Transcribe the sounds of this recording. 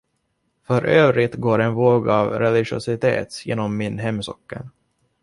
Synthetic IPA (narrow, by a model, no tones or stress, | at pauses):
fœɾʔøːvɾɪt̪ɡoːɾɛnvoːɡɑvɾɛlɪɧʉ̰ːsɪt̪ʰḛːt̪jḛːnɔmːɪnɦɛmːsɔ̰kːə̰n